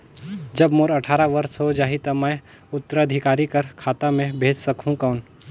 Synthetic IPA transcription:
d͡ʒɐbmoːɾɐʈʰaːɾaʋɐɾsɦod͡ʒaːɦit̪ɐməj | ʊt̪ːəɾəd̪ʱɪkaːɾikɐɾkʰaːt̪amẽbʱeːd͡ʒsɐkũkɐʊn

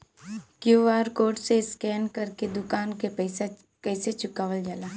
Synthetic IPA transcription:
kjuːʋaːɾkoːʈseskɛːnkɐɾked̪ʊkaːnkeɛɪsa | kɛːset͡ʃʊkaːʋəld͡ʒaːlaː

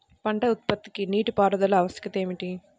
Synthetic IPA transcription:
pɐɳɖɐut̪̚pɐt̪ːi̥kiniːʈupaːɾɐd̪ɐlɐɐʋɐskɐt̪e̞ːmiʈi

